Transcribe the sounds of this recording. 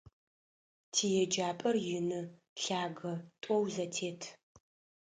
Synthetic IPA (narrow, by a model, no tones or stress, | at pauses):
tʰiːjɛd͡ʒaːpʼɐrjɪnɨ | ɬaːɡɐtʷʼɔwzɐtʰeːtʰ